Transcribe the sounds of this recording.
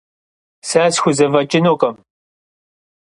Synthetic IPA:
saːsxʷʊzɐvɐt͡ʃʼɪnoːqʼɐm

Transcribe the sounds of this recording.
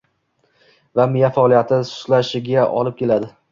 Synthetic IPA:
vamɪjafaɒlˠijat̪ʰɪsʊ̥t̪laʃɪɡʲaʔɒ̰lɪp̚kʲʰe̞lad̪ɪ

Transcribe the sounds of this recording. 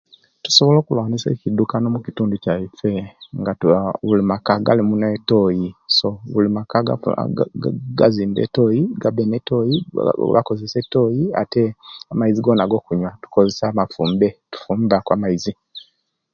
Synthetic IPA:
tu̥so̞βo̞lo̞ːkulwaːnisḛːcidukano̞mucituːnducaife̞ŋɡaβulimakaɡa̰limuneto̞jiso̞βulimakaa̰ | ɡaziːmbḛto̞jiɡabeneto̞jiβa̰ko̞zese̞to̞jia̰teamaiziɡo̞ːnaɡo̞ːkuɲwatu̥ko̞zesamafuːmbe̞tu̥fuːmbakwa̰ːmaizi

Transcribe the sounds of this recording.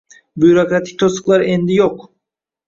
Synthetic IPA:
byɾo̞kɾat̪ʰi̥c̚t̪ʰosɯ̥klˠaɾɛnd̪ijok

